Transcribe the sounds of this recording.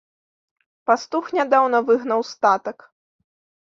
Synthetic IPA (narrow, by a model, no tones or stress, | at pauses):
past̪uxnʲad̪awnɐvɨɣn̪ɐwst̪at̪ɐk